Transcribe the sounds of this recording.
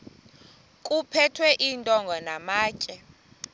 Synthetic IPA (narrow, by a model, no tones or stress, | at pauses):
kʼupʰɛtʰwɛʔiːntʼɔŋɡʱɔnamaːcʼɛ